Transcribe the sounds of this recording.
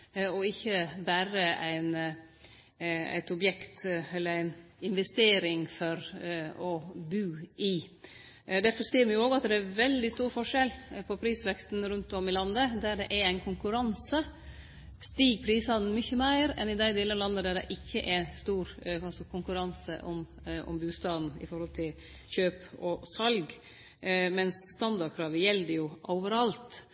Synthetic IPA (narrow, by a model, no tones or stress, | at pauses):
ɔɪçːəbæːɾəæɪn | æ̰ɪt̪ɔbjɛkt̪ɛlːəɾæɪnɪnʋɛst̪eːɾɪŋfɔɾɔbʉːɪ | d̪æɾfɔɾseːɾmɪjʊoːɡɑt̪d̪ɛæɾʋɛld̪ɪst̪uːɾfɔʂɛlpʰɔpʰɾiːsʋɛkst̪n̩ɾʉnt̪ɔmɪlɑnd̪əd̪æɖɛʔæɾæɪnkʰʊŋkʉɾɑnsə | st̪iːɡ̚pʰɾiːsɑd̪n̩mʏçːəmæɪɾɛ̰nɪd̪æɪd̪eːlənlɑnd̪əd̪æɖɛ̰ʔɪçːəʔɛst̪uːɾɑlsɔkʰʊŋkʉɾɑnsə̰ʔɔm | ɔ̰mbʉːst̪ɑːd̪n̩ɪ̰fɔɾhɔlt̪ʰɪl | çøːpɔsɑlɡ | mɛnsːt̪ɑnd̪ɑɖkʰɾɑːʋəjɛlːd̪əjʊʔoːʋəɾɑlt̪